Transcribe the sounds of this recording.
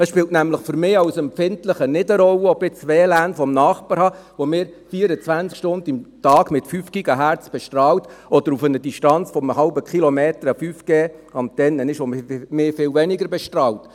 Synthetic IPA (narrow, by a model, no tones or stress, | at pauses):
əsʃpɪltnæmləχfʏɾmɪːɑwsɛmpfɪntləχənɪdəɾɔləobɪt͡sʋeːlæːnfɔmnɑːχpɑɾhɑʋomɪːɾfiːəɾət͡sʋænskʃtʊndɪmtɑːɡmɪtfyːfɡ̥iɡɑɦæɾt͡sb̥ɛʃtrɑːwtɔd̥əɾufənədiʃtɑnt͡sfɔməɦɑlbəkχilomeːtəɾəfyːfɡ̥eːɑmt̪ɛnːənɪʃommɪːfɪːlvɛnɪɡəɾbɛʃtrɑːwt